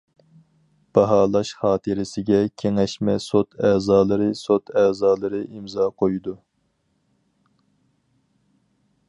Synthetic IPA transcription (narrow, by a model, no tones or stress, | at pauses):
b̥ɑɦɑːlˠɑʃχɑːt̪ʰɨɾɪsɪɡʲɛkʲʰeŋɛʃmɛsot̪ʰɛːzɑːlˠɨɾɨsot̪ʰɛːzɑːlˠɨɾɨʔimzɑːqʰojud̪u